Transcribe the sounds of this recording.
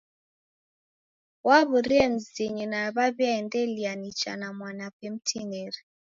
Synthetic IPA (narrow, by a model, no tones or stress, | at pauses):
waβuɾiɛm̩ziɲinaβaβɛndɛlianit͡ʃa̰namwanapem̩tʰinɛɾi